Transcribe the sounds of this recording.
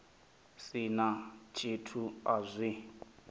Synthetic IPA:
sinat͡ʃʰʼitʰuazʷi

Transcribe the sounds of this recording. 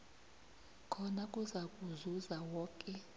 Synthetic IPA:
kʰɔnakʼuzakʼuzuzawɔːkʼɛ

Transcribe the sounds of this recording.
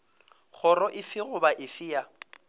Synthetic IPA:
k͡xʰʊrɔʔɪfɪɣʊbaʔɪfɪja

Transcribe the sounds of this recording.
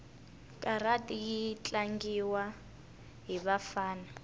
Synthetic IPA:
kʼaratʼijit͡ɬʼaŋɡiwa | ɦiβafaːna

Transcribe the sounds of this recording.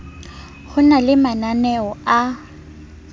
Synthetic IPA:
χʊnalɪmananɛɔa

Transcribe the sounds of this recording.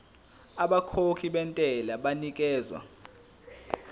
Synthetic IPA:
aɓakʰokʰiɓɛntʼɛlaɓanik̬ʼɛːzwa̰

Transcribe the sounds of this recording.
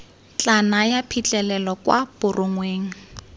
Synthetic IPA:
t͡ɬanajapʰit͡ɬʼɛlɛlɔkwa̰b̥ʊrʔʊŋweːŋ̩

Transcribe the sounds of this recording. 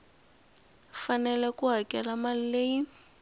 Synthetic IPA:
fanɛlɛkuɦakʼɛlamalileji

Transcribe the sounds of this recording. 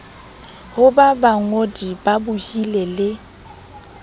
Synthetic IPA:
hʊbabaŋodibabʊhilelɪ

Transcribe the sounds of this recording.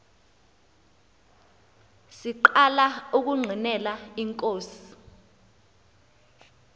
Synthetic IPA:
siǃalauk̬uŋ͡ǀʱinɛlaiŋkʼoːsi̥

